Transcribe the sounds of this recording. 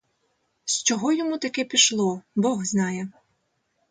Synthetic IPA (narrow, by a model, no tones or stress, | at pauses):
st͡ʃɔɦɔjɔmut̪ɐkɛpʲiʃlˠɔbɔɦznɑjɛ